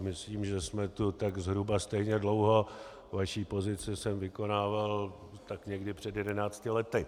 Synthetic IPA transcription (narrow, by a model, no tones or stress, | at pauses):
mɪsliːmʒɛsmɛt̪ut̪aɡzɦɾubast̪ɛjɲɛdlo̞wɦo̞ | vaʃiːpo̞zɪt͡sɪsɛmvɪko̞naːval | t̪akɲɛɡdɪpr̥ɛdjɛdɛnaːt͡scɪlɛt̪ɪ